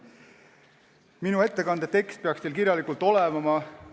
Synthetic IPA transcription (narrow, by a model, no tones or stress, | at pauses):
minue̞t̪ːekɑnd̪̥et̪e̞kst̪̚peɑkst̪elkiɾjɑlikˑult̪ːˑo̞levɑmɑ